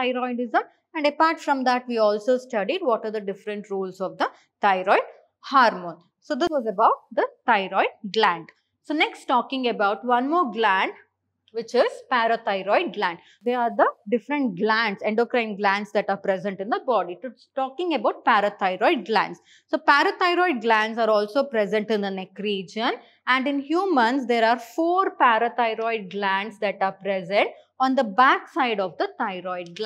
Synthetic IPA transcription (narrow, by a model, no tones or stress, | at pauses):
aɪɾɔɪnɪzə̃m | æ̃ɳɖəpaːɾʈfɾʌ̃md̪æʈʋiːɔːlsoːsʈʌɖiɖʋɔʈaːɾd̪əɖɪfɾə̃ɳʈɾuːlsɔʋd̪ə | t̪aɪɾɔɪɖ | haːɾmõːn | soːd̪ɪsʋɔːzəbaʊʈ̚d̪ət̪aɪɾɔɪɖ̚ɡlæ̃ɳɖ | soːneksʈʈɔːkɪ̃ŋɡəbaʊʈʋʌ̃nmɔːɾɡlæ̃ɳɖ | ʋɪt͡ʃɪzpæɾət̪aɪɾɔɪɖ̚ɡlæ̃ɳɖ | d̪eɾaːɾd̪əɖɪfɾə̃ɳʈ̚ɡlæ̃ɳɖsɛ̃ɳɖoːkɾãɪ̃mɡlæ̃ɳɖsd̪æʈaːɾpɾɛzə̃ɳʈɪ̃nd̪əbɔːɖiʈ | ʈɔːkɪ̃ŋəbaʊʈ̚pæːɾət̪ʰaɪɾɔɪɖ̚ɡlæ̰̃ɳɖs | soːpæːɾət̪aɪɾɔɪɖ̚ɡlæ̃nɖsaːɾɔːlsoːpɾɛzə̃ɳʈɪ̃nd̪ənɛkɾiːd͡ʒə̃n | æ̃ɳɖɪ̃nhjuːmə̃nsd̪eːɾaːɾfoːɾpæɾət̪aɪɾɔɪɖ̚ɡlæ̃ɳɖsd̪æʈaːɾpɾɛzə̃ɳʈ | ɔ̃ːnd̪əbæksaɪɖɔʋd̪ət̪aɪɾɔɪɖ̚ɡ